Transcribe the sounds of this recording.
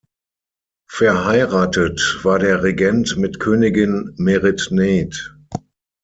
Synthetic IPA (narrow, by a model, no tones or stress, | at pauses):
fɛɐɦaɪʁaːtətv̥aːɐdeːɐʁeɡɛntmɪtkʰøːnɪɡɪnmeʁɪtneːt